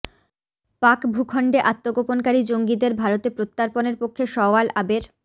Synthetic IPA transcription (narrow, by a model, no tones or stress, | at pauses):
pakbʱukʰɔɳɖeʔat̪ːoɡoponkaɾid͡ʑoŋɡid̪eɾbʱaɾot̪epɾot̪ːaɾponeɾpokʰːeʃɔalʔabeɾ